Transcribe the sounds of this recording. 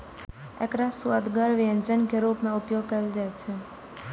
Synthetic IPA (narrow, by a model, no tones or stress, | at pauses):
ḛkɾasuad̪ɡaɾʋiə̃ɲt͡ʃənkeɾupmẽʊpjoɡ̚kəeld͡ʒat͡ʃʰe